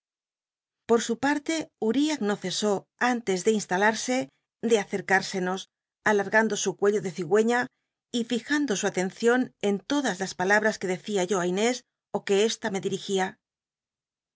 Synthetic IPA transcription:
po̞ɾsupaɾt̪e̞uɾiakno̞θe̞so̞ | ant̪e̞zðe̞inst̪alaɾse̞ | d̪e̞aθe̞ɾkaɾse̞no̞s | alaɾɣand̪o̞sukwe̞ʎo̞ðe̞θiɣwe̞ɲa | ifixand̪o̞suat̪e̞nθjo̞ne̞nt̪o̞ðazlaspalaβɾaske̞ðe̞θiaʝo̞ajne̞s | o̞ke̞est̪ame̞ðiɾixia

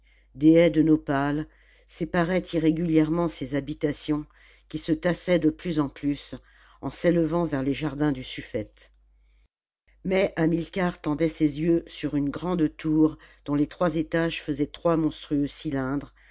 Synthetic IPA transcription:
d̪eɛd̪ənɔpal | sepaʁɛt̪iʁeɡʲyljɛʁmɑ̃sezabit̪asjɔ̃ | kʲisət̪asɛd̪əplyzɑ̃plys | ɑ̃seləvɑ̃vɛʁleʒaʁd̪ɛ̃d̪ysyfɛt̪ | mɛʔamilkʲaʁt̪ɑ̃d̪ɛsezjøsyʁynɡʁɑ̃d̪t̪uʁd̪̥ɔ̃let̪χwazet̪aʒfəzɛt̪χwamɔ̃st̪χyøsilɛ̃d̪ʁ

